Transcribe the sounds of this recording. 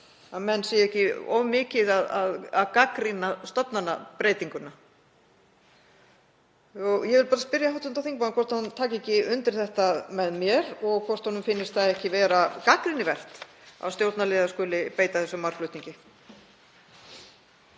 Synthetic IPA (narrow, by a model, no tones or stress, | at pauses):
amɛnːsejɛhcɪɔ̰mɪːcɪðaðaðaðkakɾɪnast̪ɔpnanːapɾeːjt̪iŋkʏna | ɔɣjɛvɪlpaːɾaspɪɾjahawt̪ʏnt̪awθiŋk̚mankʰvɔr̥t̪hant̪ʰaːcɪɛcɪʏnt̪ɪɾ̥θɛht̪amɛðmjɛɾɔɣkʰvɔr̥t̪hɔnʏmfɪnːɪst̪θaðɛhcɪvɛːɾakakɾɪnɪvɛr̥t̪ | a̰vst̪jowt̪naleːðaskʏːlɪpeːjt̪aθɛsːʏmaɾ̥klœʏɥt̪niɲcɪ